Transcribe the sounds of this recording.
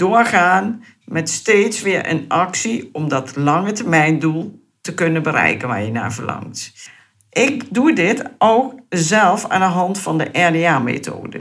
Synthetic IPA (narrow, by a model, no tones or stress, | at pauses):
d̥oːəɹχaːn | mɛtsteːtsʋɪːəɹʔə̰nʔɑksiɔmdɔtlɑŋətəɹmɛjndulˠ | təkønəbəɾɛ̰jkənʋa̰ːɹjəna̰ːɹv̥əɹlɑ̰ŋt | ʔɪk̚dudɪtʔokzɛlˠfa̰ːndəɦɑntfɔndəʔɛɹdeamḛtʰo̰ːdə̰